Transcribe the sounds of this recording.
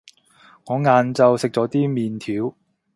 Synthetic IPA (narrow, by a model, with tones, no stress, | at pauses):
ŋɔː˨˧ŋaː˨nt͡sɐ˨wsɪ˨k̚t͡ʃɔː˨˧˥t̪iː˥miː˨nt̪ʰiː˨˥w